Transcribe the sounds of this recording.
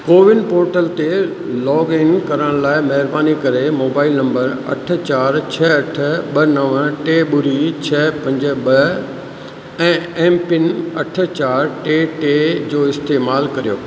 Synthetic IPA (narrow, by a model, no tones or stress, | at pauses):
koːʋɪnpoːɾʈəlt̪e | lɔːɡɪnkɐɾəɽ̃laːɪmɐɦɪɾbaːnikɐɾemoːbaːɪlnɐ̃mbəɾɐ̰ʈʰə̆t͡ɕaːɾt͡ɕʰɐɐʈʰə̆ɓɐnɐʋəʈeːɓʊɾit͡ɕʰɐpɐ̃ɲd͡ʑə̆ɓɐ | ɛ̃ːẽːmpɪnɐʈʰə̆t͡ɕaːɾʈeːʈeːd͡ʑoːɪst̪eːmaːlkɐɾijoː